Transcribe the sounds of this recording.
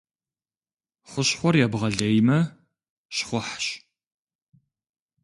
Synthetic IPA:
χʷʊɕħʷɔrjabʁɐɮejmɐ | ʃχʷʊħɕ

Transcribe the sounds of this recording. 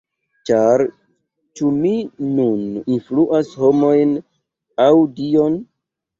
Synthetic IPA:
t͡ʃaɾ | t͡ʃuminuninfluʔasho̞mo̞jn | awdio̞n

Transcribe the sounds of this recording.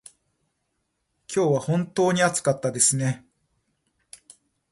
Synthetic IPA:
kʲo̞ːβahõ̞nt̪o̞ːɲ̟iat͡sɨ̥kat̪ːad̪e̞sɨne̞

